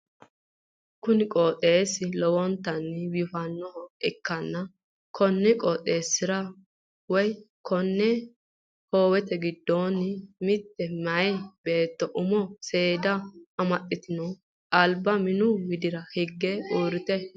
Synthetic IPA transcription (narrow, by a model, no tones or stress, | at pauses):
kʊnɪkʼoːt̪ʼeːsɪlɔwɔnt̪ːɐnːɪwɪfɐnːɔhɔɛkːɐnːɐ | kʰɔnːɪkʼɔːt̪ʼe̞ːsːɪɾɐ | wɔj | kʰɔnːɛ | hoːwɛt̪ɛɡɪd̪ːoːnɪmɪt̪ːɛmɐɛbe̞ːt̪ːɔʔʊmɔse̞ːd̪ɐɐmɐt̪ʼːɪt̪ɪnɔ | ɐlbɐmɪnʊɡɪd̪ɪɾɐhɪɡːɛuːɾɪt̪ɛ